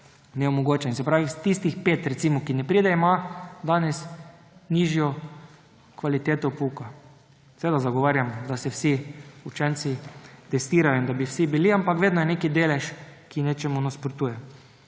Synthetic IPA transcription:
nɛomɔɡoːt͡ʃɛinsɛpɾaːʋist̪ist̪ixpeːt̪ɾɛt̪siːmɔkinɛpɾiːd̪ɛimad̪aːnɛs | niːʒjɔ | kʋalit̪eːt̪oupuka | sɛʋeːd̪azaɡɔʋaːɾjamd̪asɛwsiut͡ʃɛnt̪sit̪ɛst̪iːɾajoind̪abiwsibiliampakʋeːd̪nɔjɛnekid̪eːlɛʃkineːt͡ʃɛmunaspɾot̪uːjɛ

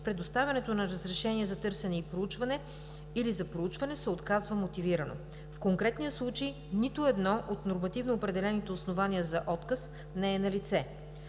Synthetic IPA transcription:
pɾɛd̪ost̪avʲɐnɛt̪onɐɾəzɾɛʃɛniɛzɐt̪ɤɾsɛnɛipɾout͡ʃvɐnɛ | ilizɐpɾout͡ʃvɐnɛsɛot̪kazvəmot̪iviɾɐno̰ | fkoŋkɾɛt̪nijəslˠut͡ʃej | nit̪ʊɛd̪nɔʔot̪noɾmɐt̪ivnoːpɾɛd̪ɛlɛnit̪ɛosnovaniəzɐʔɔt̪kəs | nɛɛnɐlit̪sɛ

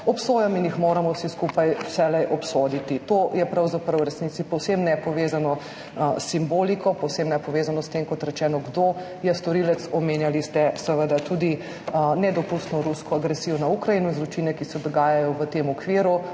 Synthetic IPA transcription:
ɔpsoːjaminjixmoːɾamɔwsiskupajwsɛlɛjʔɔpsoːd̪it̪it̪oːjɛpɾawzapɾɐwɾɛsniːt̪sipɔwsemnɛpɔʋeːzanɔ | sːimboːlikɔpɔwsemnɛpɔʋeːzanɔst̪emkɔt̪ɾɛt͡ʃɛːnɔɡd̪oː | jɛst̪ɔɾilɛt̪sɔmeːnjalist̪ɛsɛʋəd̪at̪ud̪i | nɛd̪ɔpust̪nɔɾuskɔaɡɾɛsiːjɔnaukɾɐjinunzɾut͡ʃinɛkisɛd̪ɔɡaːjajɔʋət̪emɔkʋiːɾu

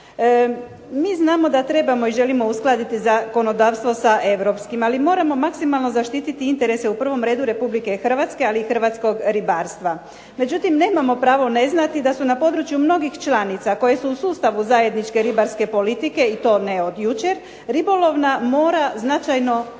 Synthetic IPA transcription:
miznaːmo̞d̪at̪ɾe̞bamo̞iʒe̞limo̞usklˠad̪it̪izako̞no̞d̪aːʋst̪ʋo̞saʔe̞ʋɾo̞pskimalimo̞ːɾamo̞maksimalˠno̞zaʃt̪iːt̪it̪iint̪e̞ɾe̞se̞upr̩ʋo̞mɾe̞ːd̪uɾe̞publike̞xr̩ʋat̪ske̞aliːxr̩ʋat̪sko̞ɡɾibaːɾst̪ʋa | me̞d͡ʒut̪imneːmamo̞pɾaːʋo̞ne̞znat̪id̪asunapo̞d̪ɾut͡ʃjumno̞ɡixt͡ʃlanit̪sako̞je̞suːsuːst̪aʋuzaje̞d̪nit͡ʃke̞ɾibaɾske̞polit̪ike̞it̪o̞ːne̞o̞d̪jut͡ʃe̞ɾ | ɾibo̞lo̞ʋnamo̞ːɾaznat͡ʃajno̞

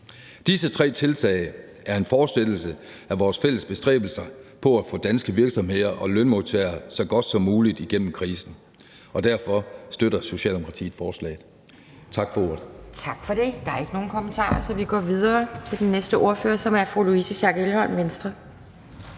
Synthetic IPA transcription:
d̥isət͡sʰʁɛ̰ːt͡sʰe̝lt͡sʰɛ̰ɪ | æɐe̝nfɒːsd̥el̥l̩sə | æʋɒːsfel̰əsb̥e̝sd̥ʁɛ̰ːb̥l̩sɐɪpʰɒ̽æfɔ̰̽ːd̥ænsɡ̥əʋiɐɡ̥sɒ̽mhe̝ð̰ˠɐʔɒ̽lønmo̝t͡sʰeːɐsɒ̽ɡ̥ɒ̽d̥sɒ̽mːuːlid̥iɡ̥en̰m̩kʰʁiːsn̩ | ɒ̽d̥æɐfɒ̽sd̥øɾɐso̝ɕɛ̰ːld̥emokʰʁɑt͡sʰḭ̥ːfɒːslɛ̰ːɪð̩ˠ | t͡sʰɑ̈ɡ̥fɒ̽o̝ɐ̰d̥̩t͡sʰɑ̈ɡ̥fɒ̽d̥e̝d̥ɑ̈æɐe̝ɡ̥əno̝ːn̩kʰɒ̽mənt͡sʰɑ̰̈ːɐsɒ̽ʋiɡ̥ɒ̰ːʋið̞ˠɐːt͡sʰe̝ld̥enːesd̥əʔo̝ɐføːɐsɒ̽mæɐfʁṵluisəɕɑɡ̥elhɒ̽nʋensd̥ʁɐ

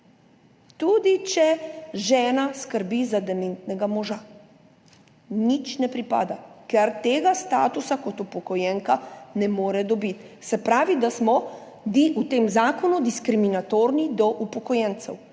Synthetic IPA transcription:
t̪uːd̪it͡ʃɛʒɛːnaskəɾbizad̪ɛment̪nɛɡamɔʒa | nit͡ʃnɛpɾipa̰ːd̪akɛɾt̪eːɡast̪aːt̪usakɔt̪upɔkɔjɛŋkanɛmoːɾɛd̪ɔbit̪ | sɛpɾaːʋid̪asmɔ | d̪iʔut̪eːmzaːkɔnud̪iskɾiminat̪oːɾnid̪ɔʔupɔkɔjɛnt̪sɛw

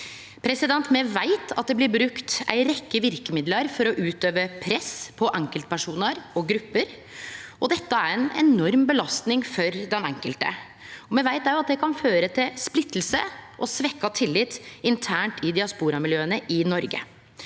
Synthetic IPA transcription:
pʰɾɛsɪd̪ɛnt̪mɛʋæɪt̪ʰɑ̰t̪̚d̪ɛblɪɾbɾʉkt̪æ̰ɪɾɛkːəʋɪɾkəmɪd̪ləɾfɔɾɔʔʉːt̪øːʋəpʰɾɛspʰɔʔɛŋkəlt̪̚pæʂuːnəɾɔɡɾʉpːəɾ | ɔd̪ɛt̪ːəæɾɛnɛ̰nɔɾmbəlɑst̪nɪŋfɔɾd̪ɛnɛŋkəlt̪ə̰ | ɔmɛʋæɪt̪æɾjɑt̪̚d̪ɛkʰɑnføːɾət̪ʰɪlsplɪt̪ːl̩səʔɔsʋɛkːɑt̪ʰɪlːɪt̪ːɪnt̪ʰæːɳʈɪd̪ɪɑspuːɾɑmɪljøːənəʔɪnɔɾɡə̰

